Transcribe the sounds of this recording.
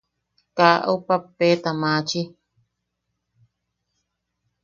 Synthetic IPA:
kaʔo̰papːet̪amãt͡ʃi

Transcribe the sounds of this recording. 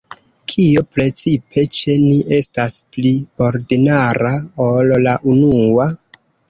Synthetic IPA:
kʰiopɾe̞t͡sipʰe̞t͡ʃe̞niʔe̞stasplio̞ɾdinaɾaolːaʔunua

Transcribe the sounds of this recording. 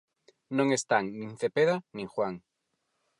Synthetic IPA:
nõŋest̪aŋnĩnθepeðanĩŋxwaŋ

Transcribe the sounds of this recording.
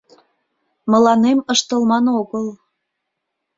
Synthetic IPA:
məlɑneməʃt̪əlmɑnoɣəl

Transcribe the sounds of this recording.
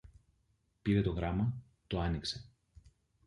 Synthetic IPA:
piɾe̞t̪o̞ɣɾɐmɐ | t̪oɐnikse̞

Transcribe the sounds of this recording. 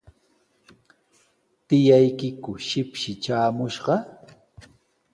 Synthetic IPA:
t̪ɪjajkɪkʊʃɪpʃɪt͡ʃaːmʊʃɢɑ

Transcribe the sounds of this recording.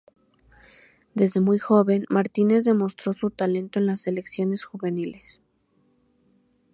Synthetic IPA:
d̪e̞zðe̞mujxo̞βe̞nmaɾt̪ine̞zðe̞mo̞st̪ɾo̞sut̪ale̞nt̪oe̞nlase̞le̞ksjo̞ne̞sxuβe̞nile̞s

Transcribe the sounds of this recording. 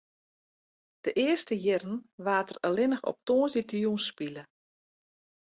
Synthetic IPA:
d̥əʔɪərstəjɪrən̩ʋaːtərəlɪnəxɔ̰p̚toːnzitjunspilə

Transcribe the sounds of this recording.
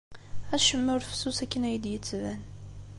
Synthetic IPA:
æʃəmːæɾfə̥susækːənæjəd̪jət͡sːvæn

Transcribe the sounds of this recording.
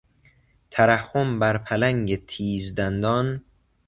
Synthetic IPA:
t̪ʰæɾæhːombæɾpʰælæŋɟet̪ʰiːzd̪ænd̪ɒːn

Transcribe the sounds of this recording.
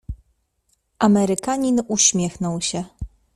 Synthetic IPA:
ʔamɛɾɘkaɲinuɕmʲjɛxnɔwɕɛ

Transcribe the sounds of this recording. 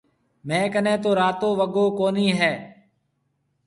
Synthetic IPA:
mɛ̃ːkənẽːt̪oːɾaːt̪õːʋəɡoːkoːniːɦɛː

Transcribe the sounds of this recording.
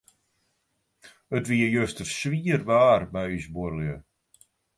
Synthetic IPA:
ətʋiəjøstərsʋiərʋaːrbɛjysbuərljə

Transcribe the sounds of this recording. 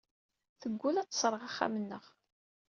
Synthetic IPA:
θəɡʷːulæt͡sːsˤɾˤəʁaχːa̰mənːəʁ

